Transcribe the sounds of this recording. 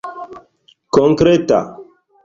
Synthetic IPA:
kɔŋkɾeta̰

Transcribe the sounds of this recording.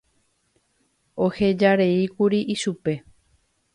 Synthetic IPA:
ohe̞d͡ʒaɾe̞ikuɾiʔiʃupe̞

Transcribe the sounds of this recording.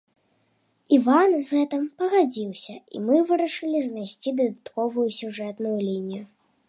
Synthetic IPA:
ivanzɣɛt̪ɨmpɐɣad͡zʲiwsʲɐḭmɨvɨɾɐʂɨlʲiznajsʲt͡sʲid̪ɐd̪at̪kɔvujusʲuʐɛt̪nujulʲinʲiju

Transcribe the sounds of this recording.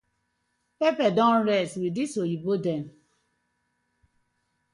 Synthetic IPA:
pepɛdɔ̃nɹɛstwidisoibodɛ̃n

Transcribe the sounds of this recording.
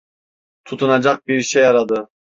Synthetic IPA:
t̪ʰut̪ʰunad͡ʒak̚biɾʃejaɾad̪ɯ

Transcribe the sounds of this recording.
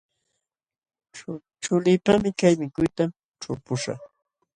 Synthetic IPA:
ʈ͡ʂʊlɪːpamɪkajmɪkʊjt̪am | ʈ͡ʂʊɾpʊʃa̰χ

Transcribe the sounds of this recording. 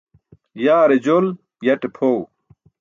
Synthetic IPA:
jaːɾed͡ʑol | jɐʈepʰow

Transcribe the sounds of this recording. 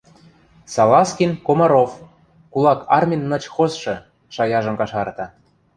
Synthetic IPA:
sɑlɑskʲinkomɑɾof | kulɑkʰɑrmʲinːɤ̆t͡ɕxozʃɤ̆ | ʃɑjɑʒɤ̆mkɑʃɑrt̪ɑ

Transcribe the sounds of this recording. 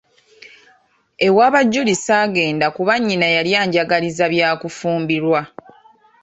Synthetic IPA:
e̞waːβaɟːulisaːɡe̞ːndakuβaɲːinajaljaːɲɟaɡalizaβjaːkufuːmbiɾwa

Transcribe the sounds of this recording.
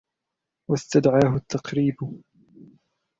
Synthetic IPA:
wast̪ad̪ʕaːɦʊt̪ːɑqɾiːb

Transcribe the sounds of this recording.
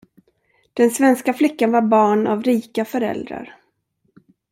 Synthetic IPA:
d̪̥ɛnsvɛnskaflɪkːanvaɾbɑːɳavɾiːkafœɾɛ̰ld̪ɾa̰ɾ

